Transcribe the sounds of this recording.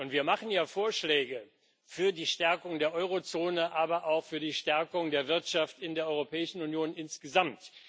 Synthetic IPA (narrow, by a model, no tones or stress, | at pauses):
ʔʊntv̥iːɐmaχn̩jaːfoːɐʃlɛːɡə | fyːɐdiːʃtɛɐkʊŋdeːɐʔɔʏʁ̞ot͡soːnəʔaːbɐʔaʊxfyːɐdiːʃtɛɐkʊŋdeːɐvɪɐtʃaftɪndeːɐʔɔʏʁopʰɛːɪʃn̩unjoːnʔɪnsɡ̥əzamt